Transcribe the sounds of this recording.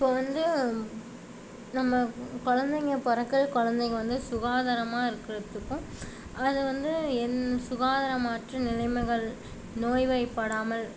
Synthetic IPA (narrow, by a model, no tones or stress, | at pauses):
ɪpːoːʋɐnd̪ɯ | nɐmːɐkɔɻɐnd̪ɐŋɐpɔɾɐkːɐɭkɔɻɐnd̪ɐŋɐʋɐnd̪ɯsʊɣaːðɐɾɐmaːɪɾɯkːɪrɐt̪ːɯkːɯ̃ | ɐðɯʋɐnd̪ɯɛnsʊɣaːðɐɾɐmaːʈrɯnɪlɐɪmɐɣɐɭ | noːjʋɐɪpːɐɽaːmɐl